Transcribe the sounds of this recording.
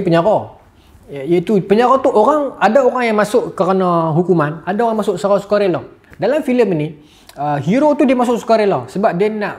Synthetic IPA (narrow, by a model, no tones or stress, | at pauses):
pəɲaɾɔ | jait̪upəɲaɾɔt̪uʔoɾaŋadaoɾaŋjaŋmasʊʔkəɾənaɦukumanadaoɣaŋmasʊʔsaɾɔsə̥kaɾelɔhdalamfiləmini | əɦiɾot̪udiəmasʊʔsə̥kaɾelɔhsəbap̚dianaʔ